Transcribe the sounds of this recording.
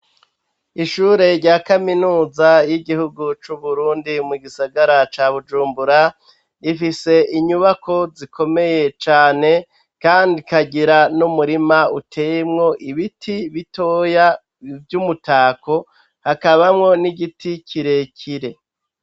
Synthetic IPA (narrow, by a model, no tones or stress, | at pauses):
iʃuːɾe̞ɾɟaːkaminuːzajiɡihuɡut͡ʃuβuɾuːndimuɡisaɡaɾat͡ʃaːβud͡ʒuːmbuɾa | ifise̞ʔiɲuβakʰo̞zikʰo̞me̞je̞t͡ʃaːne̞ | kaːndikaɟiɾanumuɾimautʰeːjemŋo̞ʔiβitʰiβito̞ːja | vjumutaːko̞ | hakaβamŋo̞niɡiticʰiɾe̞cʰiɾe̞